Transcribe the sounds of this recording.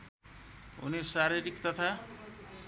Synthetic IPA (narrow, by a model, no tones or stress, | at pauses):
ɦṵneɾsaɾiɾikt̪ʌt̪ʰa